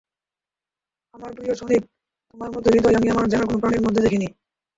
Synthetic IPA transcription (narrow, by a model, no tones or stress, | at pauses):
amaɾpɾioʃonib̚ | t̪omaɾmɔt̪oɾit̪oamiamaɾd͡ʑanaɾkonopɾaniɾmod̪ʱːed̪ekʰini